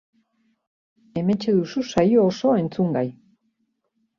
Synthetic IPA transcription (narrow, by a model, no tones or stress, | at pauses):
e̞me̞t͡ʃe̞ðususajoːso̞e̞nt͡suŋɡaj